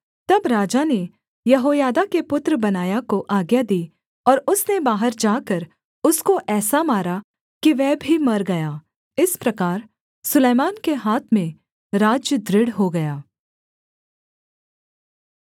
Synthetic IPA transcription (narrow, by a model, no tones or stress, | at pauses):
t̪ɐbɾaːd͡ʒane | jɐɦoːjaːd̪akepʊt̪ɾəbɐnaːjakoʔaːɡjad̪iː | ɔːɾʊsnebaːɦəɾd͡ʒaːkɐɾ | ʊskoʔɛːsamaːɾa | kiʋɛːbʱimɐɾɡɐjaː | ɪspɾɐkaːɾ | sʊleːmaːnkeɦaːt̪ʰmẽ | ɾaːd͡ʒjəd̪ɾɪɽɦoɡɐjaː